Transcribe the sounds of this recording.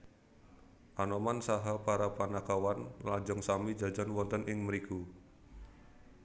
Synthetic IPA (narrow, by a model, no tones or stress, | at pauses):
ʔanɔmansaɦapaɾapanakawanlad͡ʒɔŋsamid͡ʒad͡ʒanwɔnt̪ənʔɪŋməɾiku